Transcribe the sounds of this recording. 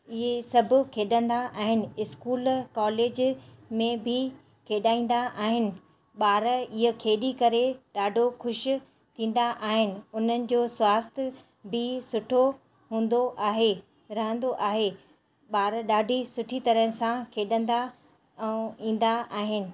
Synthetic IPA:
ɪɦesɐbʱʊ̆kʰeːɗə̃nd̪aʔaːɦɪnɪ̆ɪskuːlkɔːleːd͡ʑmẽbʱɪ | kʰeːɗaːĩːn̆d̪aʔaːɦɪnɪ̆ | ɓaːɾɪɦokʰeːɗikɐɾeɗaːɖʱoxʊʃɪ̆ | t̪ʰĩːn̆d̪aʔaːɦɪnɪ̆ʊn̤ənɪ̆d͡ʑoːswaːst̪ʰɪ | bʱɪsʊʈʰo | ɦũːn̆d̪oʔaːɦe | ɾɐɦə̃nd̪oʔaːɦe | ɓaːɾɗaːɖʱisʊʈʰit̪ɐɾəɦə̃sãkʰeːɗə̃nd̪ã | ĩːn̆d̪aʔaːɦɪnɪ̆

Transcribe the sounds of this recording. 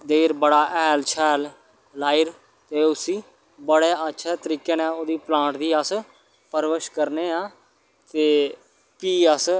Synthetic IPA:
d̪eːɾbəɽaːʔɛːlt͡ʃʰɛːl | laːiɾ | t̪eːʊsĩː | bəɽeːətːʃʰɛːt̪əɾiːkeːnɛ̃ːoːd̪iːplãːʈd̪iːəs | pəɾʋəʃkəɾneːãː | t̪eː | piːəs

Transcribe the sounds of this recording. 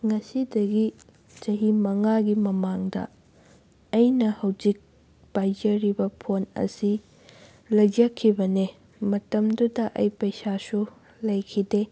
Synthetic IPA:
ŋɐsidɐɡi | t͡ʃɐɦimɐŋaɡimɐmaŋdɐ̰ | ɐjnɐhɐwd͡ʒik̚ | pajd͡ʒɐɾibɐpʰonɐ̰si | lɐjd͡ʒɐkʰːibɐne | mɐtɐmdudɐʔɐjpɐjsasu | lɐjkʰide

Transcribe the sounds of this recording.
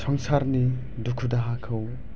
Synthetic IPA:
sʰɔŋsaɾni | dukʰudaɦakʰɯw

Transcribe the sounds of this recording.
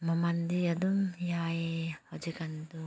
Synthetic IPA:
mamand̪iad̪umjahɔd͡ʒekant̪u

